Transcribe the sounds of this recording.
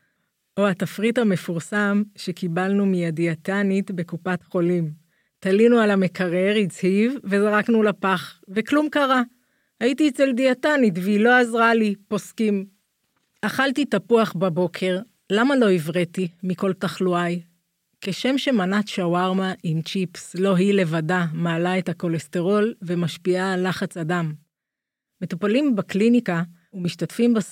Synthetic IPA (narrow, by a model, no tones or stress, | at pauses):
ʔoatafʁithame̞fuʁsamʃekibalnumijadiatanitbe̞kupatχo̞lim | talinualamekaʁeʁit͡shivːe̞zaʁaknulapaχveklumkaʁa | haitiːt͡seldiatanitveilo̞azʁalipo̞skim | aχaltitapuaχbabo̞kʰe̞ʁ | lamalo̞ivʁetimiko̞ltaχluaj | ke̞ʃe̞mʃe̞manat̪ʃawaʁmaʔimt͡ʃipslo̞ɦile̞vadamaːlae̞thako̞le̞ste̞ʁo̞lve̞maʃpiaːlaχat͡sadamː | e̞tupalimbaklinika | umiʃtatfimba